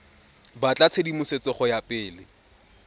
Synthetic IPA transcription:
bat͡ɬʼat͡sʰedimʊset͡sɔχɔjapʼɪːlɪ

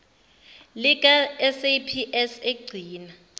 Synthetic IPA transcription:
lik̬ʼaɛsejpʰiʔɛseɡ͡ǀʱiːna

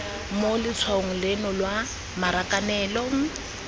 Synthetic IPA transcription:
molɪt͡sʰwaʊŋ̩lɪnɔlwa | maɾakʼanɛːlɔŋ̩

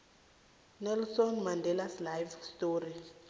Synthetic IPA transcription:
nɛlsɔnmandʱɛlaslajvstori

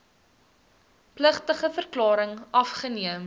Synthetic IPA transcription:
pləχtəχəfərklɑːɾəŋɐfχəniəm

